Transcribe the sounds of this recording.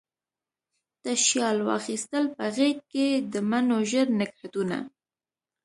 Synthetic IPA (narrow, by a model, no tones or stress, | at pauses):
t̪aʃjɑlwɑ̰xist̪əlpəɣek̚ked̪əmanoʒəɾnɪɡħat̪una̰